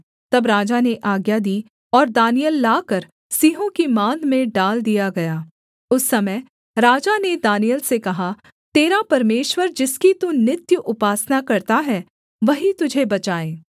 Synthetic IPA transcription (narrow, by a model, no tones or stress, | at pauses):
t̪ɐbɾaːd͡ʒaneʔaːɡjad̪iː | ɔːɾd̪aːnijəlːaːkɐɾ | siːɦõkimãːd̪mẽɖaːld̪ijaɡɐjaː | ʊsːɐməj | ɾaːd͡ʒaned̪aːnijəlsekɐɦa | t̪eːɾapɐɾmeːʃwəɾd͡ʒɪskit̪unɪt̪jəʔʊpaːsnakɐɾt̪aɦɛː | ʋɐɦit̪ʊd͡ʒʱebɐt͡ʃaːẽː